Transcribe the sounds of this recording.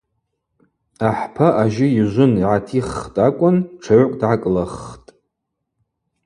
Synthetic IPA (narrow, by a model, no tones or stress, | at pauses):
aħpʰaʔaʒɪjiʒʷʊniʕatʰiχtʼakʷʼʊnʈ͡ʂʰaʕʷkʷʼdʕakʼlaχtʼ